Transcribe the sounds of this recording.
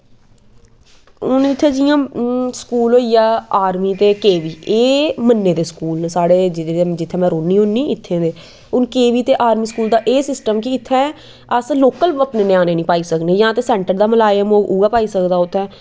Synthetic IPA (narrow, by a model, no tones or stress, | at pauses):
ʊnɪt̪ʰːɛ̃ːd͡ʒɪjãːskuːloːijaːaːɾmiːt̪eːkeːʋiːeːmənːeːd̪eːskuːlnːsaːɽeːd͡ʒɪeːd͡ʒɪt̪ʰːɛ̃ːmɛ̃ːɾoːnːĩːɦʊnːĩːɪt̪ʰːẽːd̪eː | ʊnkeːʋiːt̪eːʔaːɾmiːskuːld̪aːʔeːsɪsʈəmkɪɪt̪ʰːɛ̃ː | əsloːkələpneːnjãːneːnĩːpaːiːsəknẽːjãːt̪eːsɛ̃ːɳʈəɾd̪aːməlaːjəmoːuːɡaːpaːiːsəkd̪aːʊt̪ʰːɛ̃ː